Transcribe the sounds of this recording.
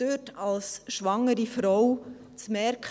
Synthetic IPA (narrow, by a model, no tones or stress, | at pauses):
øːtɑlsʃʋɑŋːəɾifɾɔw | t͡smɛɾk